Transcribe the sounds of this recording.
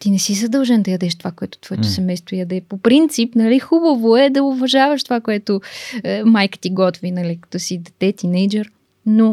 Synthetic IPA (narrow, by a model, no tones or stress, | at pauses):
t̪inɛsizɐd̪ɐlˠʒɛnd̪ɐjɐd̪ɛʃt̪ovakoɛt̪o̥t̪vɔɛt̪osɛmɛjst̪vojɐd̪ɛpopɾint̪sipnɐlixubɐvoɛd̪ɐʊvɐʒavəʃt̪ovakoɛt̪o | majkə̥t̪iɡɔt̪vinɐlikɐ̥t̪ɔsid̪ɛt̪ɛt̪inɛjd͡ʒɛɾ | no